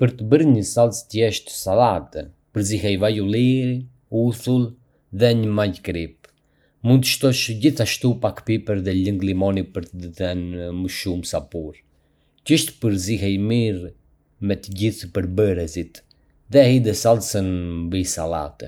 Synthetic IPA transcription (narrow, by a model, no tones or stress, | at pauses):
pəɾt̪əbəɾɲəsalˠst̪jɛʃt̪salat̪ɛ | pəɾziɦɛjvajuliɾi | usulˠ | ðɛɲəmajkɾip̚ | mund̪t̪əʃt̪ɔʃɟiθaʃt̪upakpipəɾðɛləŋɡlimɔnipəɾt̪əd̪əθɛnməʃumsapuɾ | cəʃt̪pəɾzihɛjmiɾ | mɛt̪əɟiθpəɾbəɾɛsit̪ | ðɛahid̪əsalˠsənmbisala̰t̪ɛ